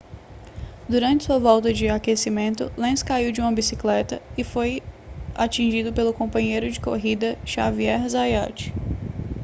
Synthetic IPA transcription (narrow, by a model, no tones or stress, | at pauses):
d̪uɾɐ̃nt͡ʃɪ̥suɐvɔwt̪ɐd͡ʒɪakesimẽnt̪ʊ̰lẽskaiwd͡ʒɪũmɐbisiklɛt̪ɐɪfojat͡ʃĩʒid̪ʊpelʊkõpɐ̃ɲejɾʊd͡ʒɪko̰ɦid̪ɐʃaviɛɾzajat͡ʃɪ̥